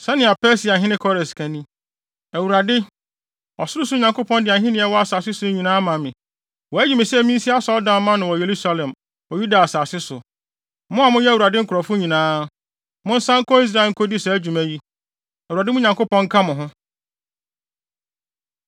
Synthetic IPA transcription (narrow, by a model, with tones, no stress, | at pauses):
sɛ˦nɪ̃˨a˨pɛ˦si˨a˨ɦɪ̃˦nɪ̃˦kʰɔ˦ɾɪ̃˨skʰæ̃˨nĩ˦ | æ˨wu˨ɾa˨dɪ˦ | ɔ˨sʊ˦ɾʊ˦sʊ˦˨ɲã˨ŋko˦pɔ̃˦ndɪ˨a˨ɦɪ̃˦nɪ̃˦ɛ˦wɔ˦a˨saː˨sɪ˦sʊ˨˦ɲĩ˨nãː˦mã˨mɪ̃˨ | wɔ˨æ˦d͡ʑᶣu˨mɪ̃˨si˦ɛ˨mĩ˦n̩˦si˦a˦sɔ˦dã˨m˦mã˦nɪ̃˨wɔ˨je˨ɾu˦sa˨lɛ̃˨m | wɔ˨ju˦da˨a˨saː˨sɪ˦sʊ˨ | mʊ̃˦a˨mʊ̃˦jɛ˦˨wu˨ɾa˨dɪ˦ŋ̩˦kʰʊ˨ɾɔ˨fʊ̃˦ɲĩ˨nãː˦ | mʊ̃˦n̩˦sã˦ŋ̩˦kʰɔ˦i˦s̬ɾa˦e˨ŋ̩˦kʰo˦di˦sɛ˨æ˦d͡ʑᶣu˨mæ˨ji˦ | æ˨wu˨ɾa˨dɪ˦mʊ̃˦ɲã˨ŋko˦pɔ̃˦ŋ̩˦kʰã˦mʊ̃˨ɦʊ̃˦